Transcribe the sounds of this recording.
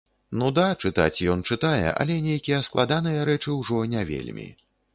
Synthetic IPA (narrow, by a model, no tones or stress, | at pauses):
nud̪at͡ʂɨt̪a̰t͡sʲjɔnt͡ʂɨt̪ajɛ̰ʔɐ̰lʲɛnʲejkʲijɐsklˠad̪anɨjɐɾɛt͡ʂɨwʐɔnʲɛvʲḛlʲmʲḭ